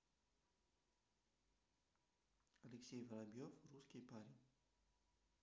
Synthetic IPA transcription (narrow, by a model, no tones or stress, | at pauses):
ɐlʲɛksʲejvɐlˠabʲjɔfruskʲijpaɾʲinʲ